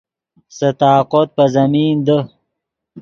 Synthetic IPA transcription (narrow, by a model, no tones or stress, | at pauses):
sət̪aːqot̪̚pɐzɐmiːnd̪ə